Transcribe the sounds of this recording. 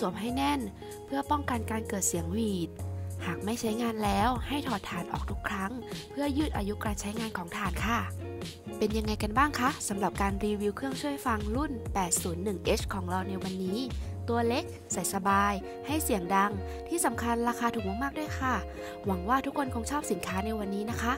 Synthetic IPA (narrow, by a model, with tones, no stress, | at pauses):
su˨˩˦mɦa˥˩jnɛ˥˩n | pʰɯ˥˩ɐpɔ˥˩ŋka˧nkaː˧nkɤː˨˩t̪̚si˨˩˦əŋwiː˨˩t̪̚haː˨˩k̚ma˥˩jt͡ɕʰa˦˥jŋaː˧nlɛː˦˥wha˥˩jt̪ʰɔː˨˩t̪ʰːaː˨˩˦nʔɔ̰ː˨˩k̚t̪ʰu˦˥kʰɾa˦˥ŋpʰɯ˥˩ɐjɯː˥˩t̪̚ʔaː˧ju˦˥kɾaː˧nt͡ɕʰa˦˥jŋaː˧nkʰɔː˩˦ŋt̪ʰaː˨˩˦nkʰa˥˩ | pe˧nja˧ŋːa˧jka˧nbaː˥˩ŋkʰa˦˥sa˩˦mɾa˨˩p̚kaː˧nɾiː˧wiː˧wkʰɯ˥˩əŋt͡ɕʰu˥˩əjfa˧ŋlu˥˩npɛː˨˩t̪̚suː˩˦nːɯ˨˩ŋʔeː˦˥t͡ɕkʰɔː˩˦ŋɾa˧wna˧jwa˧nːiː˦˥t̪u˧ɐle˦˥k̚ | sa˨˦jsa˧baː˧j | ha˥˩jsi˨˩˦əŋda˧ŋ | t̪ʰiː˥˩sa˩˦mkʰa˧nɾaː˧xaː˧t̪ʰuː˨˩k̚mɔː˧ŋmaː˥˩du˥˩ə˨jkʰa˥˩ | wa˩˦ŋwaː˥˩t̪ʰu˦˥kʰːnkʰɔː˩˦ŋt͡ɕʰɔː˥˩p̚si˩˦nkʰaː˦˥na˧jwa˧nːiː˦˥na˦˥kʰa˦˥ʔ